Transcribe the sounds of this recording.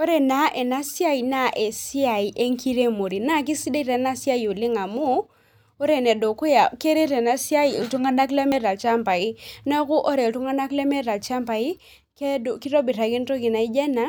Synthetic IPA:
o˦ɾe˨na˨˦ʔe˨na˦si˦a˦i˨na˦ʔe˨si˦a˨i˨ʔe˦ŋkʰi˦ɾe˦mo˨ɾi˨na˦k̬i˦si˦de˦ɾe˨˦na˦si˦a˦ju˨lɪ˦ŋa˨mu˦ | o˦ɾe˨nɛ˨do˨ku˦ja˨ke˦ɾe˦ɾe˨na˨˦si˦a˦i˨tu˦ŋa˦na˦klɛ˦mɛ˦ɾa˨t͡ʃa˦mpa˨i˦na˦ku˦ʔɔ˦ɾɛ˨tu˦ŋa˦na˦klɛ˦mɛ˦ɾa˨lt͡ʃa˦mpa˨i˦ | ke˦do˨ki˦ɾɔ˦bi˨ɾa˨ki˦n˦to˦ki˨na˨i˦d͡ʒɛ˦na˨˦

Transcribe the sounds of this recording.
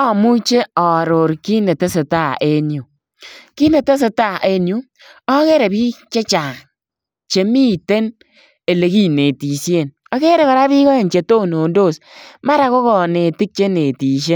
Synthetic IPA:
ɔ˦mu˦t͡ʃe˦ɔ˨ɾo˨ɾki˦ne˨te˦se˨ta˦˨ʔe˦nju˨ | ki˦ne˨te˦s̬e˨ta˦˨ʔe˦nju˦ | ɔ˦ke˦ɾe˨bi˦t͡ʃe˦t͡ʃa˨ŋ | t͡ʃe˨mi˦te˦n | e˨le˨ki˦ne˨ti˨sje˦˨n | ɔ˨˦ke˦ɾe˨kɔ˨ɾa˦bi˦kɔ˦e˨nt͡ʃe˨to˦˨no˨ndo˦˨sma˦ɾa˨ko˦kɔ˨ne˨ti˦k̚t͡ʃe˦ne˨ti˨ʃ̬e˦

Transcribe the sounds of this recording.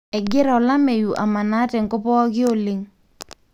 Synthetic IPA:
ɛ˨ɡɪ˦ɾa˨ɔ˨la˦me˨ju˨ʔa̰˨ma˨na˦tɛ˨ŋ˨kɔ˦pɔ˦kɪ˦o˨lɪ˨ŋ

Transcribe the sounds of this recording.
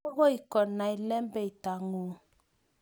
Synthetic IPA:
ɔ˦ɣɔ˦i˨kɔ˨na˨i˨lɛ˦mbɛ˦i˨ta˨ŋu˨

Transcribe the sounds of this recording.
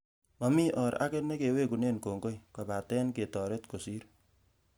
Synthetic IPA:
mɔ˨mi˦ʔɔ˨ɾa̰˦ke˦ne˦ke˨we˦ku˨ne˦nko˨ŋɡo˦jka˨pa˨tɛː˦nke˨tɔː˨ɾe˦tko˨si˦ɾ

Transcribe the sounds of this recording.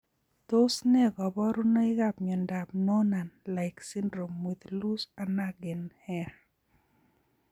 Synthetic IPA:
t̪o˦snɛ˦ɡɔ˨bɔ˦ɾu˦nɔ˦ɪ˦ɡa˦p̚ɲɔ˨nda˨p̚nɔ˦na˨nla˨ɪksi˦ndɾo˨mwi˨t̪lu˦sa˨na˦ɡɪ˨nhɛ˦

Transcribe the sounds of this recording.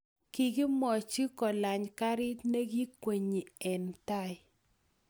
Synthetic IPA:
ki˨ɡi˦mɔ˨t͡ʃi˦kɔ˨la˨ɲka˦ɾɪ˦tne˦ɡi˦kwe˨ɲi˨ɛ˨nta˦ɪ˨

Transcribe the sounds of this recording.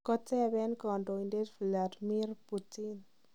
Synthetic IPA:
kɔtɛ˦abɛ˦nkɔ˨ndo˨inde˦tfi˨ladmi˦rputin

